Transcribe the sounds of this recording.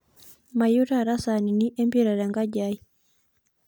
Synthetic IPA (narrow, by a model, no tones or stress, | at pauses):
majutaɾasaniniʔɛmbiɾaɾaŋɡaɟai